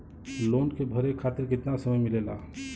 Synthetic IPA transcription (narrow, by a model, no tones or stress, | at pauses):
loːnkebʱəɾekʰːat̪iɾkɪt̪nasəməjmilela